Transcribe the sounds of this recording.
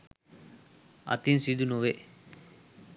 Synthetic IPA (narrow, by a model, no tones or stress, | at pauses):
ɐ̰t̪insid̪unuʋe